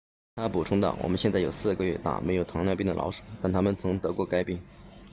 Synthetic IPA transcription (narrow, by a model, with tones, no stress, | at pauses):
t̪ʰa˥pu˨˩ʈ͡ʂʰʊ˥ŋd̪ɑ̰˨˩wɔ̰˨˩mə˦nɕjɛ˥˧nt͡sa˥˩ɪjo˨˩ʊsɹ̩˥˩ɡə˧ɥɛ˥˧t̪a̰˥˩me˧˥ɪjo˨˩ʊt̪ʰɑ˧˥ŋljɑ˥˧ʊpi˥˩ŋd̪ə̰˩lɑ̰˧˥ʊʂu̥˨˩˦t̪a˥˩nt̪ʰa˥mə˨nt͡sʰɤ˧˥ŋt̪ɤ˧˥kwɔ˥˩ka˥ɪpi˥˩ŋ